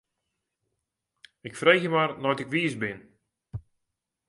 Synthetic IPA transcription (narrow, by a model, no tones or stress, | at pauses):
ɪkfrejxjəmarnɔjtɪkʋiəsbɪn